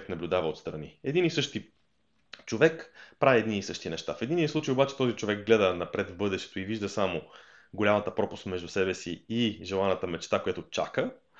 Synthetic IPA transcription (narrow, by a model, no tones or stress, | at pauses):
knɐblʲʊd̪avəot̪st̪ɾɐniɛd̪inisɤʃt̪i | t͡ʃovɛkpɾaviɛd̪niːsɤʃt̪inɛʃt̪afɛd̪inʲislˠut͡ʃəjobat͡ʃɛ̥t̪ɔzit͡ʃovɛk̚ɡlɛd̪ənɐpɾɛt̪vbɤd̪ɛʃt̪ɛ̥t̪ʊiviʒd̪əsamo | ɡolʲamɐt̪əpɾɔpʊ̥st̪mɛʒd̪usɛbɛsiiʒɛlˠanət̪əmɛt͡ʃt̪akojat̪ʊt͡ʃa̰kə